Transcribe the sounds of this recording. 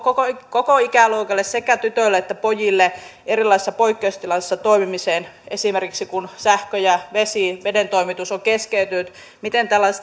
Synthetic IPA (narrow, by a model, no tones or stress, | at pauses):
kokokokoikæˑloukɑlːˑessekæt̪yt̪ølːeet̪ːæpojilːeʔerilːˑɑisesːɑpoikːeust̪ilɑsesːɑt̪oimimiseːnesimerkiksikunsæhkøjɑʋesiʋedent̪oimit̪usoŋkeskeyt̪ynyt̪ | mit̪ent̪ælːɑise